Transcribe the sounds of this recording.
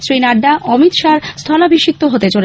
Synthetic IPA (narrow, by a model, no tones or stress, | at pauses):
sɾinaɖːaʔɔmit̪ʃaɾst̪ʰɔlabʱiʃit̪ːoɦot̪et͡ɕole